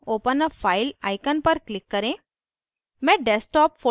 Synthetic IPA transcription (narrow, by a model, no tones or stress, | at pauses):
oːpənəfʰaːɪla̰ːɪkənpɐɾklɪkːɐɾẽ | mɛ̃ːɖɛːsʈɔːpfo